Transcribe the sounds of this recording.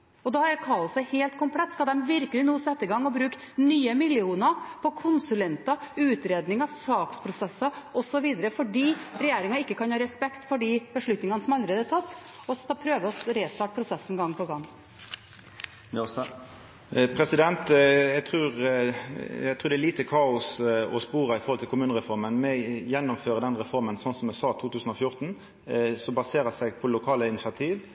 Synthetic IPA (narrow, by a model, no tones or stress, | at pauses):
ɔd̪ɑːhɑækʰɑːʊsəheːlt̪kʰʊmpʰlɛt̪ːskɑld̪ɛmʋɪɾkəlɪnuːsɛt̪ːəɪɡɑŋːɔbɾʉːk | nyːəmɪljɪuːnəɾpʰɔkʰʊnsʉlɛnt̪ɑʉːt̪ɾeːd̪nɪŋɑsɑːkspʰɾʊsɛsːɑɔsɔʋiːd̪əɾəfɔɖiːɾɛjeːɾɪŋɑɪkːəkʰɑnhɑːɾɛspɛkt̪fɔɖiːbəʂɭʉt̪nɪŋɑnəsɔmɑləɾeːd̪æt̪ʰɑt̪ː | ɔsɑpʰɾøːʋəɔsɾeːst̪ɑːʈ̚pʰɾʊsɛsːnɡɑŋːpʰɔɡɑŋː | pʰɾɛsɪd̪ɛnt̪jæɡt̪ʰʁʉːʁ | æt̪ʰʁʉːɾd̪ɛæliːt̪əkʰɑːʊsɔspuːʁɑɪfɔʁhɔlt̪ʰɪlkʰʊmʉːnəʁɛfɔɾmənmɛjɛnːɔmføːʁəd̪ɛnʁɛfɔʁmənsɔnsɔmɛsɑːt̪ʰuːt̪ʰʉːsən̩ɔfjʊʁt̪n̩ | sɔbɑseːɾəsæɪpʰɔlʊkʰɑːləɪnɪsɪɑt̪ʰiːʋ